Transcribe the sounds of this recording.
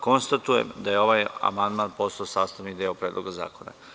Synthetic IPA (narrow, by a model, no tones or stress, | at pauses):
ko̞nst̪at̪uje̞̰md̪aje̞o̞ʋaja̰mand̪maːnpo̞slaosaːst̪aʋnikd̪eopɾeːd̪loɡaza̰ːko̞na̰